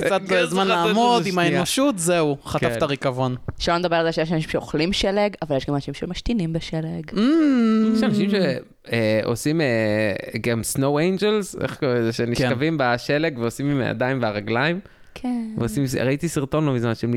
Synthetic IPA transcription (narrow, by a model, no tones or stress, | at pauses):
t͡sat̪lozmanlaːmod̪imaeoʃut̪zeuχat̪aftaʁikavonʃelond̪abealzeʃejeʃanaʃimʃeoχlimʃeleɡavaljeʃɡamanaʃimʃemaʃt̪inimbeʃeleɡm̩ʃanaʃimʃe | eo̰simeɡamsnowejnd͡ʒelzḛχkoezeʃenikʃavimbaʃeleɡveosimim̰a̰d̪ajimveaʁaɡlaim | kʰeveosimsʁait̪isiʁt̪o̞nlomizmanʃeem